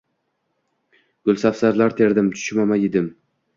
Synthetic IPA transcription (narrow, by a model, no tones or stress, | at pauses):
ɡ̥ʊlˠsafsaɾlaɾt̪ʰe̞ɾd̪ɪmt̪ʰʊ̥ʃmamajɪd̪ɪm